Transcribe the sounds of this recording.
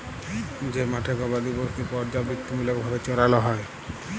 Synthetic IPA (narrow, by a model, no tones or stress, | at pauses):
d͡ʑemaʈʰekɔbad̪ibost̪ipɔɾd͡ʒabikt̪ːimiloɡbʱabet͡ɕɔɾaloɦɔe